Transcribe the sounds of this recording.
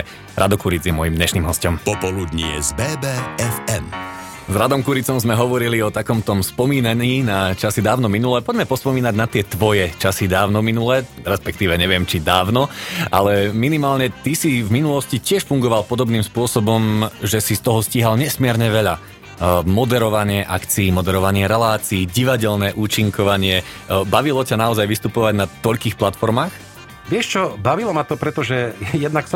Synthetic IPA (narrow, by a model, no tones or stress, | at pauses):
ɾʔa̰d̪ɔkuɾid͡zjɛmɔjimd̪ɲɛʃniːmɦɔscɔmpɔpɔlud̪ɲiɛ̰zbɛːbɛɛfɛm | zɾad̪ɔmkuɾit͡sɔmzmɛɦɔʋɔɾiliɔt̪akɔmt̪ɔmspɔmiːnaɲiːnat͡ʃasid̪aːʊnɔminulɛpɔɟmɛpɔspɔmiːnaɟnat̪ɪɛt̪ʋɔjɛt͡ʃasid̪aːʊnɔminulɛɾɛspɛkt̪iːʋɛɲɛʋɪɛmt͡ʃid̪aːʊnɔʔa̰lɛminimaːlɲɛt̪isivminulɔscicɪɛʃfuŋɡɔʋalpɔd̪ɔbniːmspʊɔsɔbɔmʒɛsist̪ɔɦɔsciɦalɲɛsmɪɛɾɲɛʋɛʎa | mɔd̪ɛɾɔʋaɲɪɛʔakt͡siːmɔd̪ɛɾɔʋaɲɪɛɾɛlaːt͡siːɟiʋaɟɛʎnɛːʔuːt͡ʃiŋkɔʋaɲɪɛbaʋilɔcanaɔzajʋist̪upɔʋaɟnat̪ɔʎkiːxplat̪fɔɾmaːx | ʋɪɛʃt͡ʃɔbaʋilɔmat̪ɔpɾɛt̪ɔʒɛjɛd̪naksɔ